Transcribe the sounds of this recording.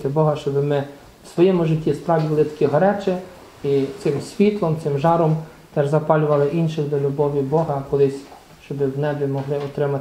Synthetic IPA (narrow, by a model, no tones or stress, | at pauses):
t̪ɪbɔɦɐʃt͡ʃɔbɪmɪ | wsʋɔjɛmʊʒɪtʲːispɾɑʋʲdʲilˠɪt̪ɐ̥kʲiɦɐɾɛt͡ʃɛ | it̪sɪmsʲʋʲit̪lˠɔmt̪sɪmʒɑɾɔm | t̪ɛʒzɐpɑlʲʊʋɐlˠɪʔinʃɪxd̪ɔlʲʊbɔʋʲibɔɦɐkɔlˠɪsʲ | ʃt͡ʃɔbɪwnɛbʲimɔɦlˠɪɔt̪ɾɪmɐ